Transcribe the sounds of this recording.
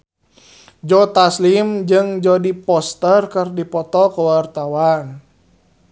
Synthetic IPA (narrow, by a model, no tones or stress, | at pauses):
d͡ʒɔt̪aslimd͡ʒɨŋd͡ʒɔdipɔst̪ərkərdipɔt̪ɔkəwart̪awan